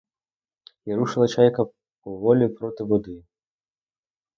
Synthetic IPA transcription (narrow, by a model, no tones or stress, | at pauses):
iɾuʂɨlˠɐt͡ʃajkɐ | uvɔlʲipɾɔt̪ɨbɔd̪ɨ